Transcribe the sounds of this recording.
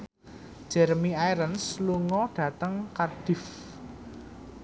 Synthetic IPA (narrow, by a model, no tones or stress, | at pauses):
d̥ʒ̥ɛrmiajɾənsluŋɔɖ̥ä̤t̪əŋkard̥ɪ̤f